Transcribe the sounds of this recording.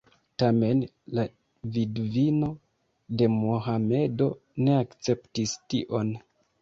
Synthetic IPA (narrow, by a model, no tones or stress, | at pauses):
tame̞n | la | vidvino̞ | de̞moɦame̞do̞ | ne̞akt͡se̞ptistiʔo̞n